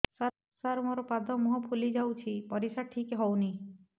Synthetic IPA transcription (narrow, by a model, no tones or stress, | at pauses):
sa | saɾmoɾɔpad̪ʱɔmuɦɔpʰulid͡ʒawt͡ʃʰipɔɾisaʈʰikeɦɔwni